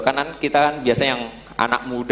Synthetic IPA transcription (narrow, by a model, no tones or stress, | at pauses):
kanankit̪akanbiasajaŋ | ʔa̰na̰k̚mud